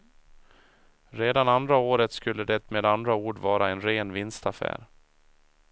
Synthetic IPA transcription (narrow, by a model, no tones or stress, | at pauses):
ɾeːd̪anand̪ɾaoːɾət̪skɵlːəd̪ɛt̪meːd̪and̪ɾauːɖvɑːɾaɛnɾeːnvɪnst̪afæ̰ːɾ